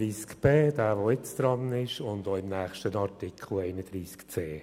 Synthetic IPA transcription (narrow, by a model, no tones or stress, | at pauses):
ɾiːskb̥eːd̥æːvoɪt͡sd̪̥ɾɑnɪʃʊnd̪oːɪmnæːχʃtənɑɾtɪkχl̩ɛɪnəd̥̪ɾiːskt͡seː